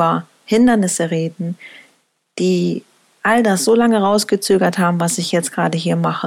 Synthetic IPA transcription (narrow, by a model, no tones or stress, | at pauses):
ɐ | hɪndɐnɪsəʁeːdn̩ | d̥iː | ʔaldasz̥olaŋəʁaʊsɡ̥ət͡søːɡɐthaːbm̩vasɪçjɛt͡stɡ̥ʁaːdəɦiːɐmaχə